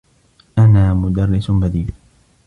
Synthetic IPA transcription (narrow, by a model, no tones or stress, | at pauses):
ʔanaːmʊd̪ɑrːɪsbad̪iːl